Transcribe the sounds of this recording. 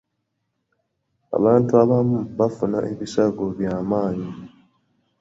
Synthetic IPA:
a̰bantuabamubafuna̰ʔibisaɡobiamaɲi

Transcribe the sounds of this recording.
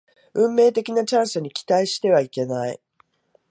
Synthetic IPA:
ɯ̟̃mːe̞ːt̪e̞kʲinat͡ɕãɰ̃sɨɲ̟ikʲi̥t̪aiɕi̥t̪e̞β̞aike̞naḭ

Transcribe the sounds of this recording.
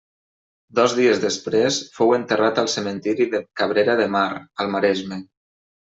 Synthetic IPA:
d̪ɔzðiezðəspɾesfowənt̪ərat̪əlˠsəmənt̪iɾiðəkaβɾeɾəðəmaɾəlˠmaɾɛzme

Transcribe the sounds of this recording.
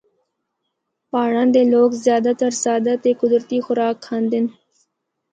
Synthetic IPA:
paːɽãnd̪eloːkzjɑːd̪at̪ɐɾsɑːd̪at̪ekʊd̪ɾt̪ixʊɾɑːkʰhand̪ɪn

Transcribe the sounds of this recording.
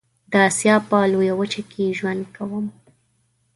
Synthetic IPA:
d̪əɑsjɑpəlojawət͡ʃakʰeʒwand̪̚kʰawəm

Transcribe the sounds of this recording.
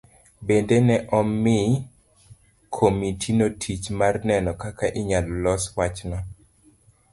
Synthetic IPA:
bendenɛʔɔmːɪ | kʰomitʰinotʰit͡ʃmarnɛnɔkakaʔɪɲalɔlɔswat͡ʃnɔ

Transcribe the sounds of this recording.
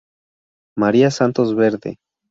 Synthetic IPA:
maɾiasant̪ozβeɾðḛ

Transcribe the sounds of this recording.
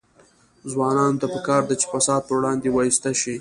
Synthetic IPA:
zwɑnɑnot̪apəkɑɾd̪at͡ʃe̥fasɑd̪̚pəwɽɑnd̪ewɑjist̪aʃi

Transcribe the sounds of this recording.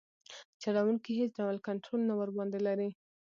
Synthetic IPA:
t͡ʃɑɽawuŋkiɦet͡sɖawalkaɳʈɾolnawəɾbɑnd̪elaɾi

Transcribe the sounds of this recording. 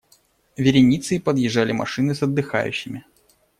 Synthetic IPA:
vʲɪɾʲɪnʲit̪sɨipəd̪jɪʐːalʲɪmɐ̰ʂɨnɨsɐd̪ːɨxa̰jʉ̰ɕːɪmʲɪ

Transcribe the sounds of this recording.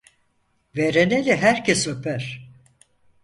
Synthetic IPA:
veɾenelʲiɦæɾcʰesø̞pʰæɾ̥

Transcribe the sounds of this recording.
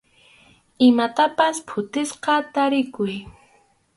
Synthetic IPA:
ɪmat̪apaspʰʊt̪ɪsqɑt̪aɾɪkʊj

